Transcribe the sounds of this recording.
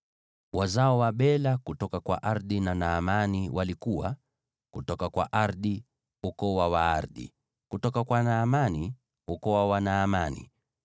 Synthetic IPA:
wʔazaɔwaɓɛlakutɔkakwa̰ʔaɾðinanaːmaniwʔalikuwa̰ | kutɔkakwa̰ʔaɾði | hukɔwawaaɾðḭ | kutɔkakwanaːmani | hukɔwawanaːmanḭ

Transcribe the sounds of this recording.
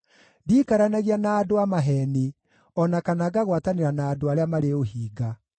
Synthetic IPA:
diːkaɾanaɣianaːdoamaɦɛne | ɔnakanaɡaɣwataneɾanaːdoaɾeamaɾeohiːɡa

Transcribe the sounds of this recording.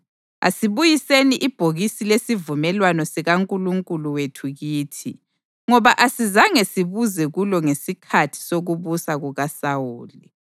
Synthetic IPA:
a̰siβujiseniʔib̥ʱoɣisilesivumɛlwanɔsiɣaŋkʼuluŋkʼuluwetʰuɣiːtʰi | ŋɔβaʔasizaŋesiβuzɛɣulɔŋesikʰatʰi̥soɣuβusaɣuɣasawuːli

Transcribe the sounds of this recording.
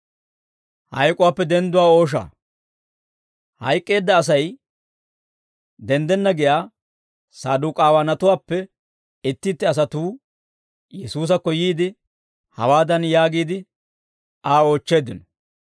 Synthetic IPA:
hɐ̰jkʼːʊwaːpːɛd̪ɛnd̪ʊwaːo̞ːʃ̬a̰ː | hɐ̰jkʼːe̞ːd̪ːɐːs̬ɐj | d̪ɛnd̪ɛnːɐɡɪjaː | saːd̪uːkʼaːwaːnɐt̪ʊwaːpːɛ | ɪt̪ːɪt̪ːɪɐs̬ɐt̪uː | jɛsuːs̬ɐkːɔjiːd̪ɪ | hɐ̰waːd̪ɐnjaːɡiːd̪ɪ | aːo̞ːt͡ʃːe̞ːd̪ɪnɔ

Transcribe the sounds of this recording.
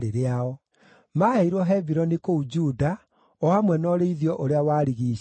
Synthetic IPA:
ɾeɾeaɔ | maːheiɾwɔɦɛviɾɔnikoud͡ʒuːda | ɔamwɛnɔɾeiðiɔʔoɾeawaːɾiɣiː

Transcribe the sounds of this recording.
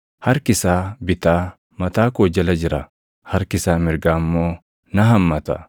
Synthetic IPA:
hɐɾkɪsaːbɪt̪aː | mɐt̪aːkoːd͡ʒɐlɐd͡ʒɪɾɐ | hɐɾkɪsaːmɪɾɡaːmːo̞ː | nɐɦɐmːɐt̪ɐ̰

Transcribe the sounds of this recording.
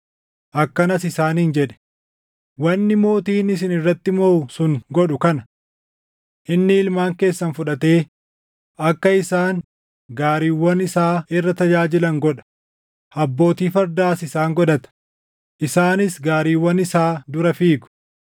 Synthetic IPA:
ʔɐkːɐnɐsɪsaːnɪnd͡ʒɛᶑɛ̥ | wɐnːɪmo̞ːt̪iːnɪs̬ɪnɪrːɐt̪ːɪmoːsʊŋɡɔᶑʊkɐnɐ̥ | ʔɪnːɪɪlmaːŋke̞ːsːɐnfʊᶑɐt̪e̞ː | ʔɐkːɐɪsaːn | ɡaːɾiːwːɐnɪsaːɪrːɐt̪ɐd͡ʒaːd͡ʒɪlɐŋɡɔᶑɐ̥ | ɐbːo̞ːt̪iːfɐɾd̪aːsɪsaːŋɡɔd̪ɐt̪ɐ̥ | ʔɪsaːnɪsɡaːɾiːwːɐnɪsaːd̪ʊɾɐfiːɡʊ̥

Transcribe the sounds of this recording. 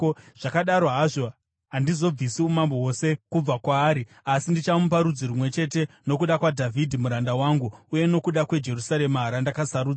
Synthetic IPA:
ʐ̥akaɗaɾo̞ɦaʐo̞ | ɦandizo̞b͡visiumamboɦo̞se̞kub͡vakwaːɾi | asindit͡ʃamupaɾud͡zirumwe̞t͡ʃe̞te̞ | no̞kuɗakwadʱavʱidʱimuɾandawaːŋɡuuje̞no̞kuɗakwe̞d͡ʒe̞rusaɾe̞maɦaɾandakasaɾuːd͡za

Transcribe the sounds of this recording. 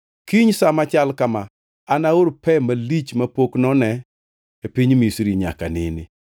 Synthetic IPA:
kiɲsamat͡ʃalkamaː | naoɾpɛmalit͡ʃmapoknɔnɛ | epiɲmisɾiɲa̰kanɪ̰nɪ

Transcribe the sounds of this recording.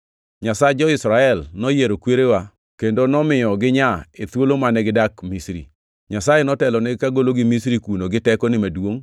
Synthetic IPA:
ɲasad͡ʒɔɪsɾaɛlnɔjeɾokweɾewa | kendonɔmɪjɔɡɪɲaet̪wolomanɛɡɪdakmisɾḭ | ɲasajenɔtɛlɔnɛɪkaɡoloɡɪmisɾikunoɡɪtɛkɔnɪmadwoŋ

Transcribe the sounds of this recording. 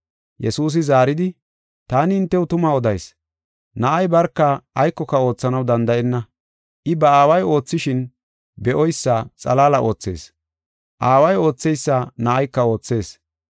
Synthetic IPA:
jɛsuːs̬ɪzaːɾɪd̪ɪ | t̪aːnɪɪnt̪ːɛwʊt̪ʊmaːɔd̪ɐjs | nɐʔɐjbɐɾkːɐːjkːɔkɐo̞ːt͡sːɐnɐwd̪ɐnd̪ɐʔɛnːɐ | ʔɪbɐaːwɐjo̞ːt͡sːɪʃɪn | bɛʔɔjsːɐt͡sʼɐ̰laːlɐʔo̞ːt͡sːe̞̰ːs | ʔaːwɐjo̞ːt͡sːɛjsːanɐʔɐjkːɐo̞ːt͡sːe̞ːs

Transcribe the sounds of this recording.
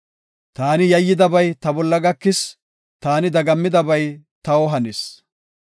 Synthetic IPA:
t̪aːnɪjɐjːɪd̪ɐbɐjt̪ɐbɔlːɐɡɐkːɪs | t̪aːnɪd̪ɐɡɐmːɪd̪ɐbɐjt̪ɐɔɦɐnɪs

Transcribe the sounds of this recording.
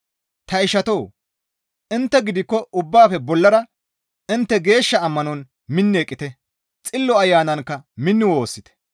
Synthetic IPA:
t̪ɐɪʃɐt̪oː | ʔɪnt̪ːɛɡɪd̪ɪkːɔʊbːaːfɛbɔlːɐɾɐ | ɪnt̪ːɛɡe̞ːʃːɐɐmːɐnɔn | mɪnːeːkʼːɪt̪ɛ | t͡sʼɪlːɔɐjːaːnɐŋkːɐmɪnːɪwo̞ːsːɪt̪ɛ̥

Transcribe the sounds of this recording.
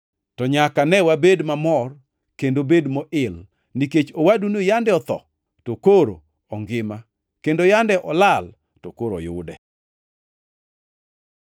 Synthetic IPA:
tɔɲakanɛwabedmamɔr | kendobedmɔʔɪl | niket͡ʃowadunojandɛɔt̪ɔ̰ | tokoɾo̰ | ɔŋɡɪma | kendojandɛʔɔlal | tokoɾo̰jʊ̰dɛ̰

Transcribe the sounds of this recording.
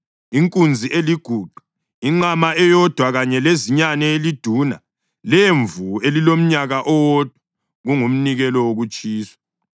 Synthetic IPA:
iŋkʼund͡zʱiʔeliɡ̥ʱuːǃu̥ | iŋ͡ǁamaʔɛjɔd̥ʱwaɣaɲɛleziɲanɛelid̥ʱuːna̰ | leɱvuelilom̩ɲaɣaʔɔwɔd̥ʱwa | ɣuŋum̩niɣɛlɔwoɣut͡ʃʼiːsḁ

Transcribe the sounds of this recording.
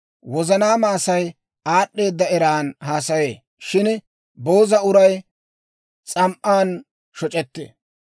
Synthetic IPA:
wɔzɐnaːmaːsɐj | aːɗːe̞ːd̪ːɐɛɾaːnhaːsɐje̞ː | ʃɪn | bo̞ːzɐʊɾɐj | t͡sʼɐmʔaːn | ʃɔt͡ʃʼɛt̪ːḛ

